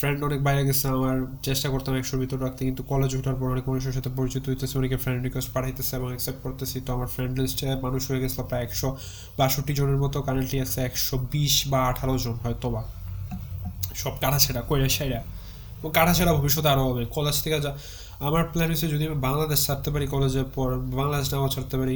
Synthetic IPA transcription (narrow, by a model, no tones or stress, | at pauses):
fɾeɳɖɔnek̚bajɾeɡɛsʰilaamaɾt͡ɕeʃʈakoɾt̪amɛkʃɔbʱit̪oɾɾak̚t̪ekint̪ukɔled͡ʑbʱuʈaɾp̬ɔɾɔnekmanuʃ̬eɾʃ̬at̪ʰepoɾit͡ɕit̪ːoɦit̪esʰeɔnekefɾeɳɖɾikwesʈpaʈʰajt̪esʰeeboŋɛksep̚ʈ̚koɾt̪esʰit̪oamaɾfɾeɳɖlisʈemanuʃɦoeɡɛsʰlapɾajɛkʃɔ | baʃoʈːid͡ʑoneɾmɔt̪okaɾeɳʈliat͡ɕʰeɛkʃɔbiʃbaaʈʰaɾod͡ʑonɦɔet̪ɔba | ʃɔb̚kaʈʰat͡ɕʰeɾakojɾaʃajɾa | eboŋkaʈʰat͡ɕʰeɽabʱobiʃ̬ːɔt̪̬oaɾobʱɔbekɔled͡ʑt̪ʰekad͡ʑa | amaɾplenmised͡ʑod̪ibaŋlad̪eʃsaɾt̪epaɾikɔled͡ʑeɾpɔɾbaŋlad̪eʃnabat͡ɕʰaɾt̪epaɾi